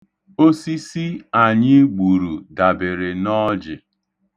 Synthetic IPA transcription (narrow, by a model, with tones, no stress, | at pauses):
o˦si˦si˦a˨ɲɪ˦ɡ͡bu˨ɾu˨da˨be˨ɾɪ˨nɔ˦d͡ʒɪ˨